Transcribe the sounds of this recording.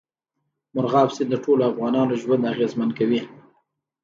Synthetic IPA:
mʊɾɣɑfsid̪əʈʰoloafɣɑnɑnoʒwand̪aɣezmankawi

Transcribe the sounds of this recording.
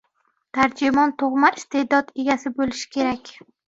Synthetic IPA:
t̪ʰaɾd͡ʒɪmɒnt̪ʰoʁmaɪst̪ʰe̞d̪ɒd̪e̞ɡʲasɪbolɪʃɪ̥kʲʰe̞ɾakʲ

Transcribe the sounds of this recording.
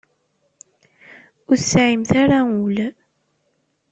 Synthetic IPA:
ʊθsaʕimθaɾaul

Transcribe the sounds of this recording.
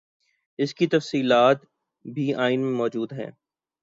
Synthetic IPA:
ɪskit̪ɐfsiːlaːt̪ | bʱiaːɪnmẽmɔːd͡ʒuːd̪ɦɛ̰̃ː

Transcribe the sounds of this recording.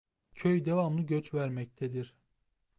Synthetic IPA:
cʰøjd̪e̞vamlˠɯɟøt͡ʃvæɾmɛc̚t̪ʰɛd̪iɾ̥

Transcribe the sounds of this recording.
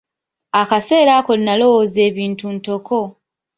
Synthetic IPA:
akase̞ːɾaːko̞linalo̞woze̞ːβiːntunto̞ko̞

